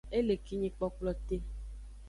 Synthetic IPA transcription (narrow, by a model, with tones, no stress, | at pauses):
e˦le˨ki˦ɲĩ˨k͡pɔ˨k͡plɔ˨t̪e˦